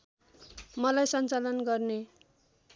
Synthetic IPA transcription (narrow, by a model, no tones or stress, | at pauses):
mʌlajsʌnt͡salʌnɡʌrne